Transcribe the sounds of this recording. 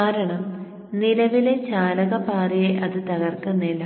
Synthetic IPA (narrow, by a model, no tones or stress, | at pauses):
aːɾɐɳɐm | nilɐʋilet͡ɕaːlɐɣɐpaːreʔɐðɨt̪ɐɣɐrkunːilɐ